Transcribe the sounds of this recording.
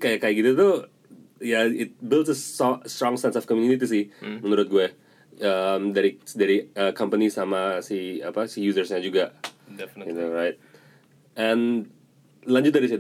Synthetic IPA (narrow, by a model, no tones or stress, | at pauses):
kajakajaɡit̪ut̪u | jaɪt̪̚bɪldsəsɔst̪ɾɔŋsɛnsɔfkɔmjuniit̪is̬ihmənuɾʊt̪̚ɡuɛ | əmdaɾidaɾiəkampənisamasiapasijuzərsɲad͡ʒuɡa | junoɾaɪt̪̚ | ʔɛn | laɲd͡ʒʊt̪̚daɾisa